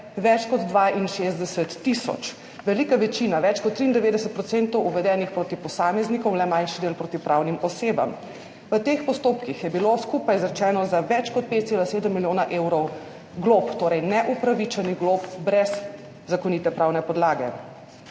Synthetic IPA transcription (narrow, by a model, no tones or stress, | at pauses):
ʋɛt͡ʃkɔd̪d̪ʋaʔinʃezd̪ɛsɛt̪ːisɔ̰t͡ʃ | ʋɛlikaʋɛt͡ʃinaʋɛt͡ʃkɔt̪ːɾiːnd̪ɛʋeːd̪ɛsət̪̚pɾɔt̪sent̪ɔwuʋɛd̪ɛːnixpɾoːt̪ipɔsaːmɛznikɔwlɛmajnʃid̪eːlpɾot̪ipɾawnimɔseːba̰m | ʋət̪eːxpɔst̪oːpkixjɛbiloskupajzɾɛt͡ʃɛːnɔzaʋɛt͡ʃkɔt̪̚peːt̪̚t̪elaseːd̪əmːiljoːnaʔewɾɔw | ɡlopt̪oːɾɛjnɛʔupɾaʋit͡ʃɛniɣɡlopbɾɛz | zakɔnit̪ɛpɾaːwnɛpɔd̪laːɡɛ̰